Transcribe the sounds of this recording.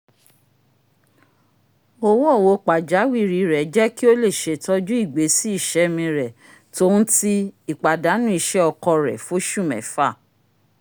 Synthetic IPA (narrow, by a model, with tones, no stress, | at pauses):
o˦˧wo˦ɔ˦˨wo˧˦k͡pa˨d͡ʒa˨˦wi˦˨ɾi˨ɾɛ˨˦d͡ʒɛ˦ki˦o˦le˦˨ʃe˨tɔ˧d͡ʒu˦i˦˨ɡ͡be˨˦si˦i˦˨ʃɛ˧˦mĩ˧ɾɛ˨ | to˦n̩˦ti˦i˨k͡pa˨da˨˦nũ˦i˧˨ʃɛ˦ɔ˧kɔ˧ɾɛ̰˨fo˦ʃũ˦˨mɛ̰̃˨˦fa˦˨